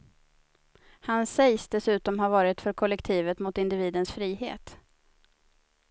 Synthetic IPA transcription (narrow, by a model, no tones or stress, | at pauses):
hansɛjsd̪ɛsʉ̟ːt̪ɔmɦaɾvɑːɾɪt̪fœɾkʰɔlɛkt̪ʰiːvət̪mʊt̪ɪnd̪ɪviːd̪ənsfɾiːhḛːt̪